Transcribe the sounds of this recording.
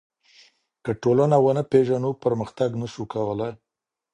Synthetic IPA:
kəʈolanawənəpeʒanupəɾməxt̪aɡnəʃukawəlaj

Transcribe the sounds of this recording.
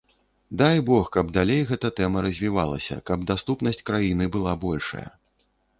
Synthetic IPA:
d̪ajbɔxkɐbd̪alʲejɣɛt̪ɐt̪ɛmɐɾɐzʲvʲivalˠɐ̰sʲɐ̰kɐb̚d̪ast̪upnɐsʲt͡sʲkɾajinɨbɨlˠabɔlʲʂɐ̰jɐ̰

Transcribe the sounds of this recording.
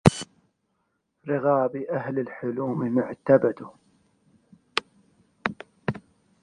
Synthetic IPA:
ɾɪɣaːbiʔaɦlɪlħʊluːmɪmaʕt̪abad̪u

